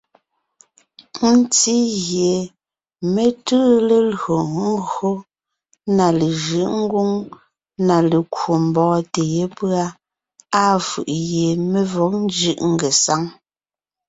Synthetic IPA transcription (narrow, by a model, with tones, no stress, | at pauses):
n̩˦t͡si˦ɣje˨ | me˨tɨː˦le˨lɰo˨ŋ̩˦ɡo˦ | na˨le˨ʒɯ˦ʔŋ̩˦ɡu˦ŋ | na˨le˨kwo˨m̩˨bɔː˦te˨je˦pɰa˦ | a˦fɯ̰˨ʔje˨me˨vɔ˨˦k̚n˦d͡ʒɯ˦˨ʔŋ̩˦ɡe˨sa˦ŋ